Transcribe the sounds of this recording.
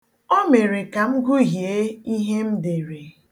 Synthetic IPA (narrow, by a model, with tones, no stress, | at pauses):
o˦me˨ɾe˨ka˨m̩˦ɡʊ˦ɦje˦i˦ɦe˦m̩˦de˨ɾe˨